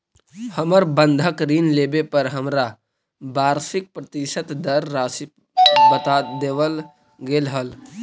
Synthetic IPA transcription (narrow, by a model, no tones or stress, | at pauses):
həməɾbə̃nd̪ʱəkɾiːnleːbepəɾɦəmɾa | baːɾsɪk̚pɾət̪ɪʃət̪d̪əɾːaːsɪ | bət̪ad̪eːʋəl | ɡeːlɦəl